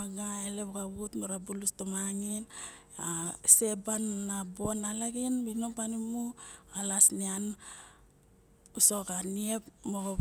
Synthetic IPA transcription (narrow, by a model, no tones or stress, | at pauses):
aɡaeleβkaβutmoɾabulustomaŋin | ase̞banːabo̞nalaɡinbinopanimualasnian | usokanie̞pmoko